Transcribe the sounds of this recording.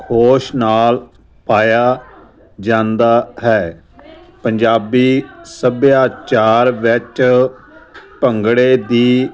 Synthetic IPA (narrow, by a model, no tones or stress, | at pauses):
kʰoːʃnaːl | paːjaː | d͡ʒãːnd̪aːɦɛː | pəɲd͡ʒaːbiːsəbjaːt͡ʃaːɾʋɪt͡ʃ | pəŋɡɽeːd̪iː